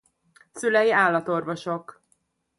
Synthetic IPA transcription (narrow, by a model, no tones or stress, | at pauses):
sylɛjiaːlːɒt̪o̞rvo̞ʃo̞k